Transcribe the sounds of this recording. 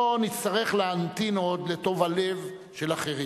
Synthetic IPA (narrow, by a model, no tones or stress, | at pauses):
onit̪st̪aʁe̞χleant̪ino̞d̪le̞t̪o̞vale̞v | ʃe̞laχeʁi